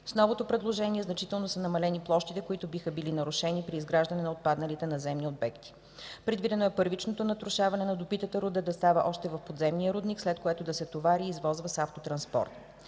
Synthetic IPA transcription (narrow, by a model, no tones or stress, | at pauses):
snɔvot̪opɾɛd̪lˠoʒɛniɛznɐt͡ʃit̪ɛlˠnosənɐmɐlɛniplˠɔʃt̪it̪ɛkoit̪ʊbixəbilinɐɾʊʃɛnipɾiːzɡɾaʒd̪ɐnɛnɐot̪̚pad̪nɐlit̪ɛnɐzɛmniob̪bɛkt̪i̥ | pɾɛd̪vid̪ɛnoɛpɤɾvit͡ʃnot̪onɐt̪ɾʊʃavɐnɛnɐd̪opit̪ət̪əɾud̪əd̪ɐst̪avə̰ʔɔʃt̪ɛvɐfpod̪zɛmniəɾud̪nikslɛt̪koɛt̪od̪ɐsɛt̪ovaɾiːzvɔzvəsaft̪ot̪ɾɐnspɔ̰ɾt̪